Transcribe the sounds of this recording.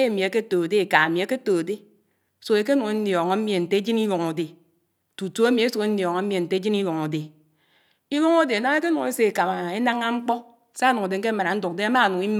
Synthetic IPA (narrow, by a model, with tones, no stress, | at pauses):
e˦˨mi˨e˨ke˦to˨de˦e˨ka˨mi˨e˨˦ke˦to˨de˦˨ | so˨e˨ke˦nu˨ŋe˦njɔ˨ŋa˨˦mi˦e˨n̩˨te˦d͡ʒi˦ni˦wo˨ŋo˨de˨ | tu˨to˦e˦mi˨e˦su˨ke˦n˦jɔ˨ŋa˨˦m˦e˨n̩˨te˦d͡ʒi˦ni˦wo˨ŋo˨de˨ | i˦wo˦ŋo˦de˨a˨na˦ŋ˦e˦ke˦nu˨ŋe˦se˨e˨ka˨ma˨e˦na˦ŋa˦ŋ͡m̩˦k͡pɔ˦˨ | sa˦nu˨ŋo˨de˨ŋ̩˦ke˦ma˨ɾa˨n̩˦du˨k̚de˦a˦ma˦˨nu˨i˦m